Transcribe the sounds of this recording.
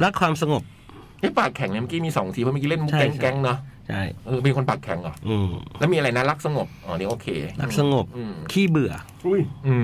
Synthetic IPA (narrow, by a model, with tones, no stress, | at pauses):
ɾa˦˥kʰwaː˧msa˧ŋo˨˩p̚ | ʔɤ˦˥jpaː˨˩k̚kʰɛ˨˩˦ŋni˩m˧˦˥ki˧˥˩miː˧sɔː˩˦ŋt̪ʰiː˧pʰɔ˧mː˧˥ki˦˥le˥˩nmu˦˥kɛ˦˥ŋkɛ˦˥ŋnɔ˦˥t͡ɕʰa˥˩jʔɯː˧pn˧kʰo˧npaː˨˩kʰɛ̰˨˩˦ŋʔɔ̰˨˩ʔɯː˧˩lɛ˦˥wmiː˧a˧ɾa˧jna˦˥la˦˥k̚sa˧ŋo˨˩p̚ʔɔː˧˩ni˦˥˦ʔoː˧kʰeː˧a˦˧k̚sa˧ŋo˨˩pʔɯː˧kʰiː˥˩bɯ˨˩ɐ | ʔu˦˥˩jʔɯː˧˩